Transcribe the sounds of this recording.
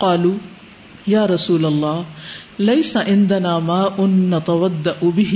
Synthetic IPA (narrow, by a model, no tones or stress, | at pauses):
qɑːluː | jaːɾˤɑsuːlalˤːɑːh | lajsaʕɪnd̪anaːmaːʔʊnːat̪awad̪ːaʔbɪɦ